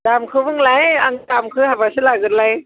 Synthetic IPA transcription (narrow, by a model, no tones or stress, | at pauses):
damkʰɯbɯŋlajaŋtamkʰɯhabasɯlaɡɯtlaj